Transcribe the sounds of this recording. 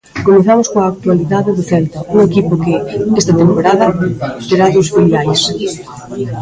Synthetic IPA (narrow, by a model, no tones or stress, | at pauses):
komeθamʊskoaːk̚t̪waliðaðɪðʊθɛlt̪auŋekipokɪest̪ɐt̪empoɾað̞ɐt̪eɾaðosfiliajs